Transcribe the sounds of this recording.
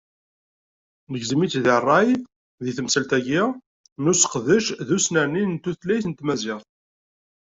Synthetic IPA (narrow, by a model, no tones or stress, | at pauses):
nəɡzəmit͡sðirˤːɑj | ðiθəmsəlt̪æʝi | nusə̥qðəʃðusnæninnt̪ːuθlæjθənt̪mæzɪʁθ